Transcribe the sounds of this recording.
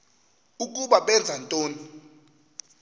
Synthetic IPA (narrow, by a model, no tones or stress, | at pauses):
uk̬ʼuɓaɓɛnd͡zʱantʼoːni